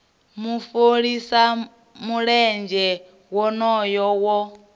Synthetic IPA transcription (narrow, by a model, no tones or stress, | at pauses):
mufoɺisa | muɺɛnd͡ʒɛ | wɔnɔjɔwɔ